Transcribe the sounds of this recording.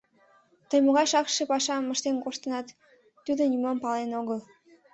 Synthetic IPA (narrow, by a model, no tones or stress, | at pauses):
t̪əjmoɣɑjʃɑkʃepɑʃɑməʃt̪enkoʃt̪ənɑt̪ː | ud̪onymompɑlenoɣəl